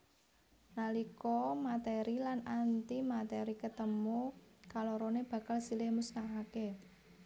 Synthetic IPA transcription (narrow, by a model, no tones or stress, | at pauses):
nalikɔmat̪eɾilanant̪imat̪ɛɾikət̪əmukaloɾoneb̥ä̤kalsilɪhmusnaɦake